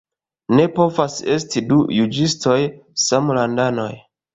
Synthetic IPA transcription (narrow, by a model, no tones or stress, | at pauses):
ne̞po̞vase̞stidujud͡ʒisto̞jsamlandano̞̰j